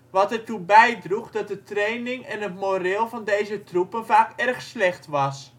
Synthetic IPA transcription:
ʋɑtɛrtubɛjdruxdɔt̚dətrejnɪŋɛnətmorɪːlˠvɑndejzətrupənvaːkɛrxslɛxtʋɑs

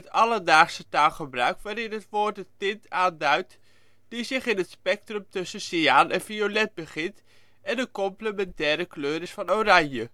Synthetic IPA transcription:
ətɑlədaːχsətaːlˠχəbrœɥkʋaːɾɪnɦətʋʊːɹt̚dətɪntʰaːndœɥt | d̥izɪχɪnɦətspɛk̚trɵmtɵsəsiaːnɛnviolɛt̚bəχɪnt | ɛndəkɔmpləmɛntɛːɾəkløːɾɪsfɑnowrɑɲjə

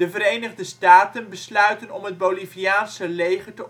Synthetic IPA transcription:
əvəɾejnəχdəstaːtənbəslœɥtənɔmɦəd̚bowliviaːnsəlejχətə

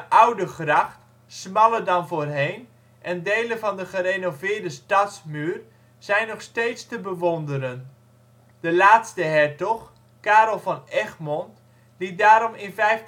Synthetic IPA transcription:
ʔʌwdəχrɑχt | smɑlədɑnvʊːrɦejn | ʔɛndejlənvɑndəχərenovɪːɹdəstɑtsmyːr | z̥ɛjnɔχstejtstəbəʋɔndəɾən | d̥əlaːtstəɦɛɹtɔχ | kaːɾɔlˠvɑnɛχmɔnt | lit̚daːɾɔmɪnvɛjf

